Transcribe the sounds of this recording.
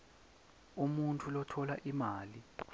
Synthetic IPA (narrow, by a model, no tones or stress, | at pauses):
umuntʰulɔtʰɔlaʔimaːli